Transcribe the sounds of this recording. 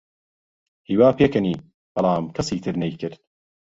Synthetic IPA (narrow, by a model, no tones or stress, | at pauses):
hiːwaːpeːkɐniː | b̥ɐlˠaːmkʰɐsiːt̪ʰɨɾnejkʰɨɾd̪̚